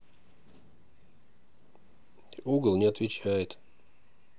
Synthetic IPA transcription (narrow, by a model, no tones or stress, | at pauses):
uɡəlˠnʲɪɐt̪vʲɪt͡ɕæjɪt̪